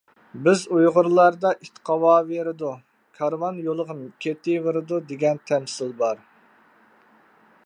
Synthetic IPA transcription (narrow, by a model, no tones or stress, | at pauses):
bɪzujʁʊɾlˠɑɾd̪ɑʔit̪ʰqʰɑwɑːveɾɪd̪u | kʰɑɾvɑnjolˠəʁəmkʲʰet̪ɪveɾɨd̪ud̪eɡʲɛnt̪ʰɛmsɪlbɑɾ